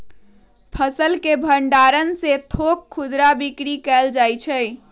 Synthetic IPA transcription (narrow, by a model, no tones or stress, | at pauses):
pʰəsəlkebʱəɳɖaɾənset̪ʰokʰːud̪ɾabikɾikɛld͡ʒajt͡ʃʰə